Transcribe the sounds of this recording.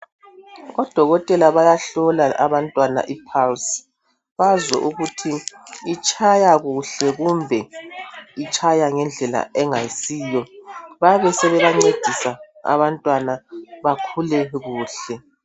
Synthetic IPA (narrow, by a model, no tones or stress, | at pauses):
ɣɔd̥ʱɔɣɔtʼɛlaβajaɬɔlaʔa̰βantʼwana̰ʔipʰals | βazɛ̰ʔuɣutʰiit͡ʃʼʰajaɣuɬɛɣumbʱɛ | it͡ʃʰʼajaŋɛnd͡ɮʱɛla̰ɛŋajisiːjɔβaβɛsɛβɛβaŋ͡ǀed̥ʱisa | a̰βantʼwanaβakʰulɛɣuːɬɛ